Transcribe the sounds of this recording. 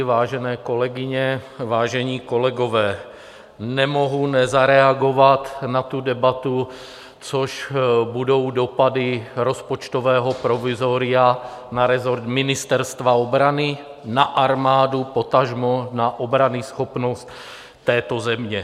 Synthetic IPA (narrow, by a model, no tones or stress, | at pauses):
vaːʒɛnɛːko̞lɛɡɪɲɛvaːʒɛɲiːko̞lɛɡo̞vɛː | nɛmo̞ɦunɛzaɾɛaɡo̞vat̪nat̪udɛbat̪u | t͡soʃbudo̞wdo̞padɪɾo̞spot͡ʃt̪o̞vɛːɦo̞pɾo̞vɪzo̞ɾɪa | naɾɛzoɾt̪mɪnɪst̪ɛɾst̪vaobɾanɪ | naʔaɾmaːdupo̞t̪aʒmonaʔo̞bɾanɪsxo̞pno̞st̪ː | ɛːt̪o̞zɛmɲɛ